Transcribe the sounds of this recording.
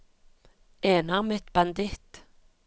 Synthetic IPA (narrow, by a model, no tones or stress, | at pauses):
eːnaʁmɛt̪b̥and̪ɪt̪